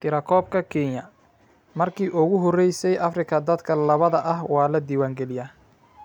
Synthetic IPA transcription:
t̪ʰɪɾɐkʰɔːb̚kʰɐkʰɛːnjɐ | mɐrkʰiːʔʊɣʊɦɔrɛjsɛjʔɐfrɪkʰɐd̪ɐd̪kʰɐlɐβɐðɐʔɐhwɑːlɐd̪iːwaːŋɡɛlɪjaː

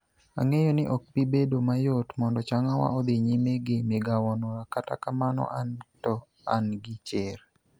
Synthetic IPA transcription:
a̰ŋejonɪʔɔk̚pibedomajotmɔndɔt͡ʃaŋawa̰ɔd̪ɪɲimeɡɪmɪɡawɔnɔɾakata̰kamanɔ̰ʔantɔ | a̰nɡɪt͡ʃɪɾ

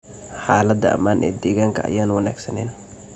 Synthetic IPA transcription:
ħaːlɐd̪ːɐʔɐ̰maːnʔɛ̰ːd̪ɛːɣaːŋkʰɐɐ̰jaːnwɐnaːɡsɐnɛːn

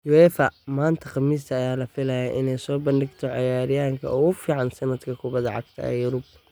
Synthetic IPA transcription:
jʊɛːfɐmaːnt̪ʰɐqɑmiːs̬t̪ʰɐːjaːlɐfɪlɐjɐʔɪnɛjsɔːbɐndɪɡt̪ʰɔʕɑjaːɾɪjaːŋkʰɐ̰ʔɔːʊfiːʕɑnsɐnɐd̪kʰɐkʰʊbɐðɐʕɑ̰ɡ̚t̪ʰɐ̰ɛ̰ːjʊɾʊb

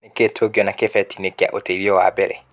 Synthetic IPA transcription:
ekeːtʰoɡiɔnakefɛtinekea̰ʔoteiɾiɔwa̰ːbɛɾɛ

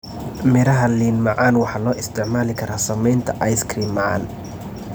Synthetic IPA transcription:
mɪɾɐɦɐliːnmɑʕɑːnwɑħɑːlɔːʔɪst̪ʰɪʕmaːlɪkʰɐɾaːsɐmɛjnt̪ʰɐʔɑjskɾiːnmɑʕɑ̰ːn

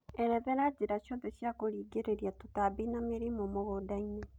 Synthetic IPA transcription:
eɾɛβɛɾad͡ʒiɾaʃoðeʃjakoɾiːɡeɾeɾjatutabinameɾimomoɣodaine

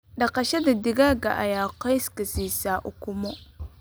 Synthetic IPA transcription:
ɗɐqɑʃɐd̪ad̪ɪɡaɡa̰ʔa̰jaːqajskasiːsaːʔʊkʊmɔ

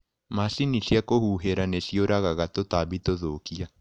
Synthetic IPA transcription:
masinisjakohuɦeɾanesjoɾaɣaɣatotaβitoðokia

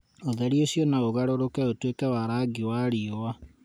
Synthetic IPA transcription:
oðɛɾioɕiɔnaoɣaɾoɾokɛotwekɛwaɾaːɡiwaɾiowa

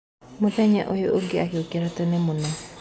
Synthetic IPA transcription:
moðɛɲaʔojoʔoŋɡeakeokiaɾatɔnɛmonɛ

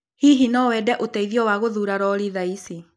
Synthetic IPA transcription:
hiɦinɔwɛdɛʔotɛiðjɔwaɣoðuːɾaɾɔɾiðaisi

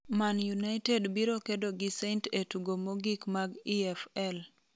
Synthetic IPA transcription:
manjunaɪtedbiɾokedoɡɪsentetuɡomoɡikmaɡiɛfɛl

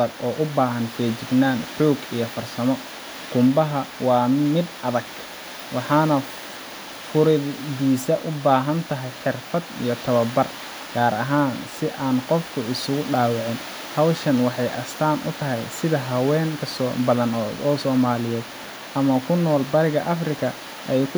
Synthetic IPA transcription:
ɐɡɔːʔʊbaːɦɐnfɛːt͡ʃɪɡnaːnħuːɡijɞfɐrsɐmɔ | ɡ̥ʊmbɐɦɐwɑːmɪd̪ɐðɐɡ | wɑħɑːnɐ | fʊɾɪdiːsɐʔʊbaːɦɐnt̪ʰɐɦɛjħɪrfɐd̪ḭjɞt̪ʰɐβɐbɐr | ɡ̥aːɾɐ̰ɦaːnsɪʔaːnqɔfkʰʊɪsʊɣʊɖaːwɑʕɪn | hɐwʃɐnwɑħɑjʔɐ̰st̪ʰaːnʔʊ̰t̪ʰɐɦɛjsɪðɐɦɐwɛːŋkʰɐsɔːbɐðɐnɔːsɔːmaːlɪjɛːd̪ | ʔɐmɐkʰʊnːɔːlbɐɾɪɣɐʔɐfrɪkʰɐ | ʔɛjkʰʊ

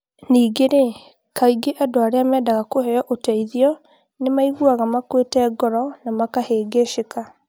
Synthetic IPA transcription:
niːɡeɾe | kaiɡeʔadoaɾeamɛːdaɣakohɛjɔʔotɛiðiɔ | nemaiɣuaɣamakwetɛɡɔɾɔnamakaheːɡeʃeka

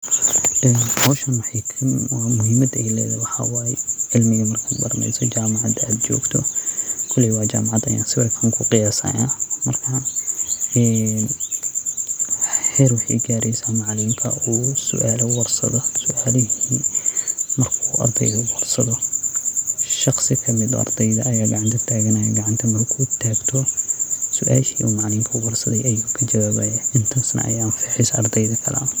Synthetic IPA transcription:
ʔɛːnhɔwʃɐnwħikʰɐnwɑːmʊɦɪmɐd̪ɛjlɛ̰ːðɛwɑħɑ̰wɑːɛʕɪlmɪɣɐmɐrkʰabɐrmɛ̰jsɔt͡ʃaːmɑʕɑd̪aːd̪t͡ʃɔ̰ːɡt̪ʰɔkʰʊlɪwɑːt͡ʃaːmɑʕɑd̪ɐ̰ja̰ːnsɪβɐrkʰɐŋkʰʊqɪjaːsɐ̰jaːmɐrkʰɐ | ɛːn | hɛːɾwʊħɑjɡaːɾɛjsaːnmɑʕlɪmkʰɐ̰uːsʊ̰ʔaːlɐwɑrsɐ̰ðɐsʊʔaːlɪɦiː | mɐrkʰuːʔɐ̰rd̪ɛ̰jðɐwɑrsɐðɔ | ʃɑχsɪkʰɐmɪðɔ̰ɑ̰rd̪ɛjðɐɐjaːɡɑʕɑnt̪ʰɐt̪ʰaːɣɐnɐjɐɡɐʕɑnt̪ʰɐmɐrkʰuːʊt̪ʰːaːɡt̪ʰɔsʊʔaːʃiːʔuːmɑʕliːmkʰɐwɐrsɐðɛjɐjuːkʰɐd͡ʒɐwaːβɐjɐʔɪnt̪ʰaːsnɐ̰ʔɐ̰jaːnfiːħɪsɐ̰rd̪ɛjðɐkʰɐla̰

